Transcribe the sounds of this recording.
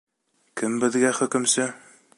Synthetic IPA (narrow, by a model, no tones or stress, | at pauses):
kɘmbɘ̆ðɡæχɵ̆kɵ̆msɘ